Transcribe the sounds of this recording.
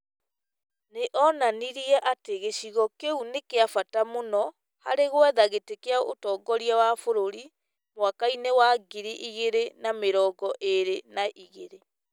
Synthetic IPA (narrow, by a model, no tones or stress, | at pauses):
neʔɔnaniɾiɛʔateɣeɕiɣɔkeunekeafatamonɔ | ha̰ɾeɣwɛðaɣetekeao̰tɔːɡɔɾiawafoɾoɾi | mwakainewaɡiɾiʔiɣeɾenameɾɔːɡɔʔeɾenaʔiɣeɾe